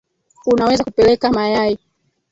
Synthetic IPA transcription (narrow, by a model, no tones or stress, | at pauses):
unawɛzakupɛlɛkamajai